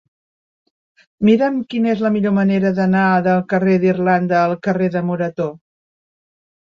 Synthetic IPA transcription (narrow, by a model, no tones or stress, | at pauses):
miɾəmkinəezləmiʎoməneɾəðənaðəlˠkəreðirland̪əːlˠkəreðəmuɾət̪o